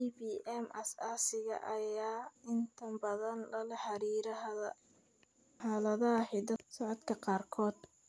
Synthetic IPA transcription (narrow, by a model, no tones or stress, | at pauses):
ibiːʔɛmɐsaːsɪɣɐ̰ʔɐjaːɪnt̪ʰɐmbɐðɐnlɐlɐħɑɾiːɾɐɦɐðɐ | ħaːlɐðɐɦɐħid̪ɐsɑʕɔd̪kʰɐqɑːrkʰɔːd̪̥